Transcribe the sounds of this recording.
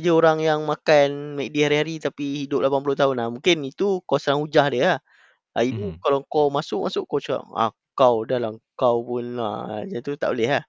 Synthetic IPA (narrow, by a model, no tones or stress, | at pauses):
d͡ʒəoɾaŋjaŋmakanmɛʔk̚diɦaɾiɦaɾit̪apihidʊp̚lapanpulʊt̪aɦʊnahmũŋkɪnit̪ukosəɾaŋud͡ʒahdiəah | aitukalakamasʊʔ̚ma̰sʊʔkot͡ʃua̰ʔa̰ | kawdalaŋkawpʊna̰d͡ʒant̪ut̪aʔbolɛɦah